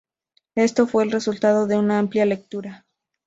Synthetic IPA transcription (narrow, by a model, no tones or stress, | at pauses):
e̞st̪o̞fwe̞ːlre̞sult̪að̞o̞ðe̞unaampljale̞k̚t̪uɾa